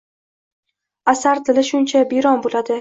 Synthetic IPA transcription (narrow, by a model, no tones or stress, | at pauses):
asaɾt̪ʰɪlɪʃʊnt͡ʃʰabiɾɒnbolad̪ɪ